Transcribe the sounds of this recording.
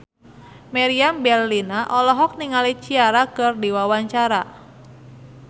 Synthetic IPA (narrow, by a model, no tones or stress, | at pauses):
maɾiambɛrlinaʔɔlɔɦɔk̚niŋalit͡ʃiaɾakɨrdiwawaɲt͡ʃaɾa